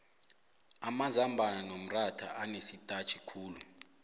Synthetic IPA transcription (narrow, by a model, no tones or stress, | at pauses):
amazambʱananom̩ratʰaʔanesitʼat͡ʃʰʼikʰuːlu